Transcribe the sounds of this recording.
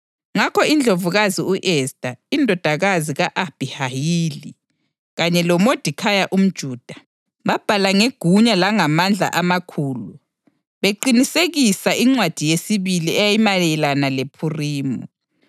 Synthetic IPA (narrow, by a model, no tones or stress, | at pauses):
ŋakʰɔind͡ɮʱovuɣaziuʔɛsd̥ʱʼaindʱɔd̥ʱaɣaziɣaʔab̥ʱihajiːli | ɣaɲɛlɔmod̥ʱikʰajaʔum̩d̥ʒ̥ʱuːd̥ʱḁ | βab̥ʱalaŋeɡ̥ʱuɲalaŋamand͡ɮʱa̰ʔamakʰuːlu | βeǃiniseɣisaʔiŋ͡ǀwad̥ʱijesiβiliɛjajimalɛlanalepʰuriːmɔ